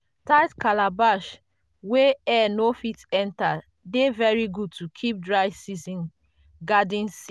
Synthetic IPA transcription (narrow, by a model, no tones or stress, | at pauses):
taɪtkalabaʃ | weɛnofitɛ̃nta | devɛɹiɡud̚tukʰip̚dɹaɪvsizĩn | ɡadĩnsi